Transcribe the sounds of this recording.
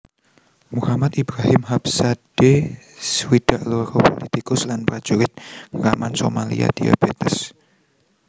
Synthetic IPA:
muhamat̪ibɾahɪmhapsad̥e | swid̥aʔloɾopolit̪ikʊslanpɾad̥ʒ̥uɾɪt̪̚ŋɾamansomalḭa̰d̪̥ia̰b̥et̪ɛs

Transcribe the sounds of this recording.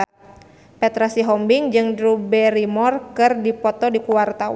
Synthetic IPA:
pɛt̪ɾasiɦɔmbiŋd͡ʒɨŋdɾubɛɾimɔrkɨrdipɔt̪ɔdikuwart̪aw

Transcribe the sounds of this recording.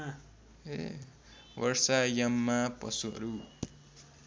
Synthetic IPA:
e | wʌrsajamːapʌ̰suɦʌ̰ɾu

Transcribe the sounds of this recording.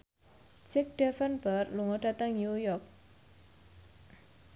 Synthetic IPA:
d͡ʒɪk̚ɖ̥ɛfənbərluŋɔɖ̥at̪əŋjujɔk̚

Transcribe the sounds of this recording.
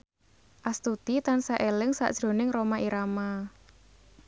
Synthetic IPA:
ʔast̪ud̪̥it̪ansaʔelɪŋsa̰ʔd̥ʒ̥ɾo̤nɪŋromaʔiɾama

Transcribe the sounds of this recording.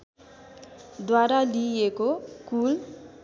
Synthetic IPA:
d̪waɾaliekokul

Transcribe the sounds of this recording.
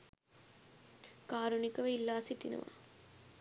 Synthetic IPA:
kaːɾunikːɐʋɐilːaːsit̪ːinɐ̰ʋɐ̰

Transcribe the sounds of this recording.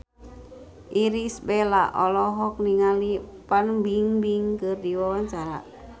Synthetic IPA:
ʔiɾisbɛlaʔɔlɔɦɔk̚niŋalipanbiŋbiŋkɨrdiwawaɲt͡ʃaɾa̰

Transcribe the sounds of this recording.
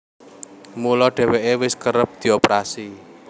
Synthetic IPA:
mulɔɖ̥ɛ̤weʔewɪskəɾəp̚d̪̥i̤opɾasi

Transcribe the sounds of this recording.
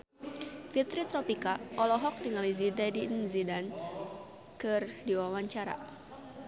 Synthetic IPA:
fit̪ɾit̪ɾɔpikaʔɔlɔɦɔk̚niŋalizidadinzidan | kɨrdiwawaɲt͡ʃaɾa̰

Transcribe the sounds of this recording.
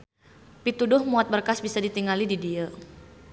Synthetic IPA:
pit̪udʊhmuat̪̚bərkasbisadit̪iŋalididia

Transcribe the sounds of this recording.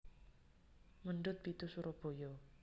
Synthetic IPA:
məɳɖʊt̪̚pit̪usuɾʔɔb̥o̤jɔ

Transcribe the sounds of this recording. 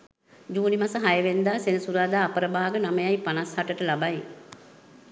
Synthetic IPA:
d͡ʒuːnimasəɦajəʋend̪aːsenəsuɾaːd̪aːpəɾəbaːaɡənaməjajpanashaʈəʈəlabaj

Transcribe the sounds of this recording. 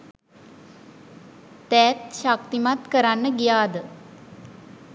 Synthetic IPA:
t̪ɛːt̪ʃak̚t̪imat̪kəɾanːəɡijaːd̪ə

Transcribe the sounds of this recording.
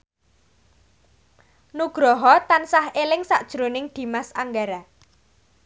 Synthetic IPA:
nuɡ̥ɾɔɦɔt̪ansahelɪŋsaʔd̥ʒ̥ɾonɪŋd̪̥i̤masaŋɡaɾa

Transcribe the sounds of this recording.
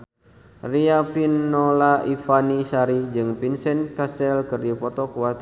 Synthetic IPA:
riafinːɔlaʔifanisaɾid͡ʒɨŋpinsɛnkasɛlkərdipɔt̪ɔkuat̪

